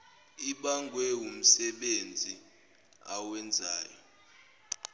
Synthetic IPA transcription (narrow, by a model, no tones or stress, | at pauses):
iɓaŋɡʱwɛum̩sɛɓend͡zʱi | a̰wɛnd͡zʱaːjɔ